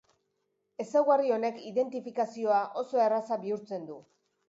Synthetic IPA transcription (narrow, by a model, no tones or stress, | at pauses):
e̞sawɣario̞ne̞kiðe̞nt̪ifikasio̞aʔo̞so̞e̞rasaβiuɾt͡se̞nd̪u